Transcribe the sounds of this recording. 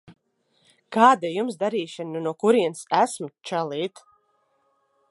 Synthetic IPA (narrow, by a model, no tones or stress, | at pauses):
kaːd̪ajumsd̪aɾiːʃɨnːunuɔkuɾiɛnsæsmt͡ʃɛlˠiːt̪